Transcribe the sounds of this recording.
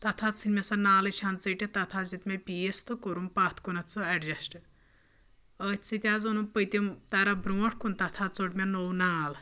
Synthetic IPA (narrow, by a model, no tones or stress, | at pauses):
t̪ɐt̪ʰat͡sʰinmʲɐsanaːlɐt͡ʃʰant͡səʈʲet̪ɐt̪ʰazit̪mʲepʲiest̪ɨkoɾumpaːt̪ʰkunɐt͡soɛɖd͡ʒɐsʈ | ət͡sit̪ʲazɐnumpəjt̪ʲimt̪aɾabɾuɐʈʰkunt̪ɐt̪ʰat͡soʈmʲanownaːl